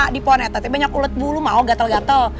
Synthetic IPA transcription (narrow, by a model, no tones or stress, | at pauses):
dipɔnɛt̪at̪ibaɲakulət̪̚bulumaoɡat̪əlɡat̪əl